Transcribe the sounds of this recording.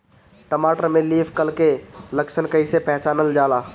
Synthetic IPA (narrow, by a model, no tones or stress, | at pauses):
ʈəmaːʈəɾmẽliːpʰkəlkeləkʃənkəisepɛɦt͡ʃaːnəld͡ʒaːlaː